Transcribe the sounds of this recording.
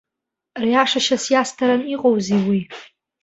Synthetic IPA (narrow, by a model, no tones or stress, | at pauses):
riaʂaʃasjastʰaɾaniqʼowziwi